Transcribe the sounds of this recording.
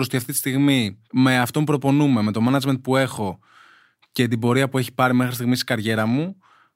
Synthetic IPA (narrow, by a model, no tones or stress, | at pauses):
ɾost̪iɐft̪it̪i̥st̪iɣmime̞ɐft̪o̞mupɾo̞po̞nume̞me̞t̪o̞mɐnɐd͡ʒment̪̚pue̞xo̞ | ce̞t̪̬ibo̞ɾiɐpue̞çi̥pɐɾime̞xɾist̪iɣmist̪i̥ɡɐɾʝe̞ɾɐmu